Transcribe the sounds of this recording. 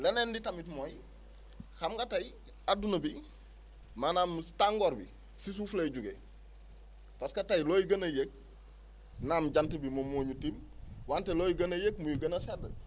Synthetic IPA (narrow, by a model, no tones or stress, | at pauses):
lenenditamitmoj | xamɡataj | adunɐbi | manamstaŋɡoɾbḭ | sis̬uːfleɟuɡḛ | paskatajloːjiɡɐnajek̚ | naːmɟantebimomoːɲutimwanteloːjiɡɐnajekmujiɡɐnasedə